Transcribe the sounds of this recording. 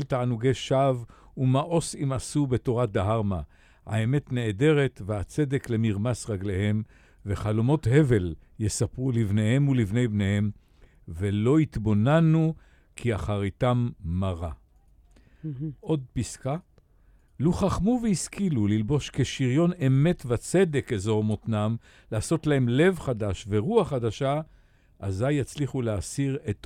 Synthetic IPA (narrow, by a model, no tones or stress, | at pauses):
ltaanuɡe̞jʃav | umaʔo̞simasube̞toʁat̚d̪aɦaʁma | ha̰eme̞tne̞ːde̞ʁe̞tveat͡se̞d̪e̞kle̞miʁmasʁaɡlehe̞m | ve̞χalomo̞tɦe̞ve̞ljesapʁulivnehe̞mulivne̞jbne̞he̞m | ve̞lo̞it̪bo̞nanu | kʰiaχaʁitamːaʁa | ʔo̞d̪̚piska | luχaχmuveiskilulilbo̞ʃke̞ʃiʁjo̞ne̞me̞tvat͡se̞de̞kezo̞ʁmotnam | laːso̞t̪lahe̞mle̞vχadaʃveʁuaχad̪aʃa | ʔazajːat͡sliχuleasiʁet